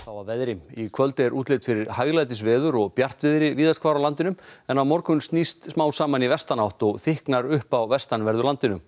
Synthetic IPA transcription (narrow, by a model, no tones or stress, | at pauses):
θawvaɾvɛðɾɪmikʰvœlt̪ɪɛɾʔuːt̪leːt̪fɪɾɪɾ̥haːjɣlajt̪ɪs̬vɛːðʏɾɔɣpjar̥t̪vɪðɾɪviːðaskʰvaːɾawlant̪ɪnʏmɛnawmɔɾkʏnst̪nist̪smaːwsaːmanivɛst̪anawht̪ɔɣθɪhknaɾʏhpawvɛst̪anvɛɾðʏlant̪ɪnʏm